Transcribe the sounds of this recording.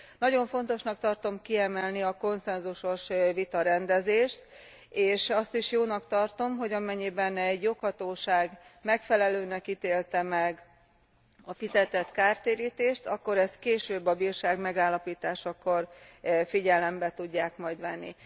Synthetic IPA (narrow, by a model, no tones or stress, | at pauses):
nɒɟo̞ɱfo̞nt̪o̞ʃnɒkt̪ɒrt̪o̞mkiɛmɛlniɒko̞nsɛnzuʃo̞ʃvit̪ɒɾɛnd̪ɛzeːʃt̪ | eːʃɒst̪iʃjoːnɒkt̪ɒrt̪o̞mɦo̞ɟɒmɛɲːibɛnɛɟjokhɒt̪oːʃaːɡmɛkfɛlɛløːnɛkit̪eːlt̪ɛmɛɡ | ɒfizɛt̪ɛt̪kaːrt̪eːɾiːt̪eːʃt̪ɒkːo̞ɾɛskeːʃøːbːɒbiːrʃaːɡmɛɡaːlːɒpiːt̪aːʃɒko̞rfiɟɛlɛmbɛt̪uɟːaːkmɒjd̪ʋɛnːḭ